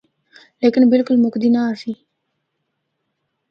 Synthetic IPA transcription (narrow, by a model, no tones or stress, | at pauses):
leːkɪnbɪlkʊlmʊkd̪inaːfiː